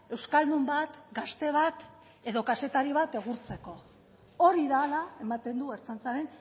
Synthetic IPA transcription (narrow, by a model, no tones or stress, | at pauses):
e̞wskald̪umbat̪ɡast̪e̞β̞at̪ | e̞ðo̞kase̞t̪aɾiβat̪e̞ɣ̞uɾt͡se̞ko̞ | o̞ɾiðalae̞mat̪e̞nd̪ueɾt͡sant͡saɾe̞n